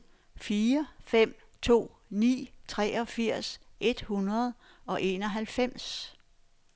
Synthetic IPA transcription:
fiːɐfem̰ | t͡sʰo̝̰ː | nḭːt͡sʰʁɛ̰ːɒ̽fiɐ̰sʔe̝d̥hunʁɐð̞ˠ | ɒ̽ʔe̝ːnɒ̽ɦælfem̰s

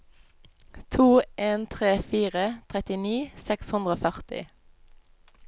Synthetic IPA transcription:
t̪ʰuːʔeːnt̪ʰʁeːfiːʁət̪ʰʁɛt̪ɪniːsɛkshʉnd̪ʁoːfœʁt̪ɪ̰

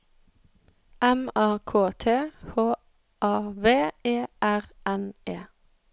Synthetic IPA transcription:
ʔɛmæːkʰoːt̪ʰeːhoː | ʔɑːʋeːeːʔæʁɛnʔeː

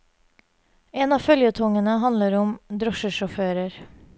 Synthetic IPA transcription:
eːnɑːfœljət̪ʰɔŋənəhɑnləɾʊmd̪ɾɔʃəʃɔføːɾəɾ

